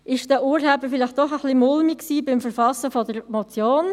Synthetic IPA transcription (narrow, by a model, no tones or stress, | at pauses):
ʔɪʃd̥ɛːʔuːɾhɛbəfɪlɪχt̚d̥ɔχəχlimʊlmiksiːbɪmfəɾfɑsəfɔdəɾmɔt͡sjoːn